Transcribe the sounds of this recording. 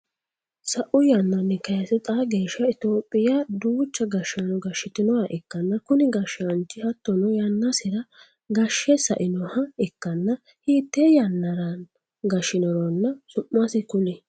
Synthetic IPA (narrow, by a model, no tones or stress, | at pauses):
sɐʔʊjɐnːɐnːɛkɐjɐsɛt̪ʼaːɡe̞ːʃːɐɪt̪o̞ːpʼːɪjɐd̪uːt͡ʃːɐɡɐʃɐnɔɡɐʃːɪt̪ɪnɔwɐʔɛkːɐnːɐkʊnɪɡɐʃːɐnt͡ʃːɪhɐt̪ːɔnɔjɐnːɐsɪɾɐ | ɡɐʃːɛsɐ̰ʔɪnɔhɐɛkːɐnːɐ | hiːt̪ːejɐnːɐɾɐn | ɡɐʃɪnɔɾɔnːɐsʊʔːɐsɪkʊnɛ